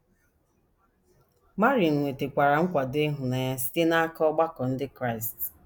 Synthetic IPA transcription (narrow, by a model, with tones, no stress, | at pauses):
ma˦ɾi˨ŋ̩˨nʷe˨te˨kʷa˨ɾa˨ŋ̩˦kʷa˨de˦ɦʊ˨na˨ɲa˦si̥˦te˦na˦a˦kɔ˦ɡ͡ba˦kɔ˨n̩˦dɪ˦kɾa˦˨ɪ˨st